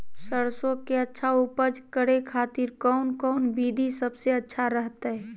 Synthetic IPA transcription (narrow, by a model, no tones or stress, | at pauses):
səɾsõkeətːʃʰaupəd͡ʒkəɽekʰaːt̪iɾkɔʊnkɔnbid̪ʱisəbseətːʃʰaɾəɦt̪aɦɛ